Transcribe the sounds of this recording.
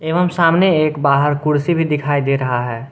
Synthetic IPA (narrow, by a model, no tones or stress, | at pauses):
eːʋəmsaːmneeːkbaːɦəɾkʊɽsibʱid̪ɪkʰaːid̪eːɾɐɦaɦɛː